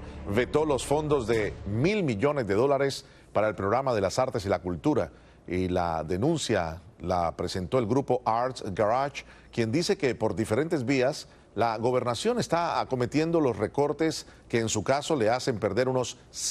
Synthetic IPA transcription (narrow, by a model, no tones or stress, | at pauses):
βe̞t̪o̞lo̞sfo̞nd̪o̞zðe̞milmiʝo̞nezðe̞ðo̞laɾe̞s | paɾae̞lpɾoɣɾamaðe̞lasaɾt̪e̞s̬ilakult̪uɾa | ila̰ðe̞nũnsjala̰pɾe̞se̞nt̪o̞e̞lɡɾupo̞ʔaɾt̪ɡaɾat͡ʃ | kje̞nd̪ise̞ke̞po̞ɾd̪ife̞ɾe̞nt̪e̞zβias | laɣo̞β̞e̞ɾnasjo̞ne̞st̪aa̰ko̞me̞t̪je̞nd̪o̞lo̞sre̞ko̞ɾt̪e̞s | keːnsukaso̞le̞ase̞mpe̞ɾðe̞ɾuno̞s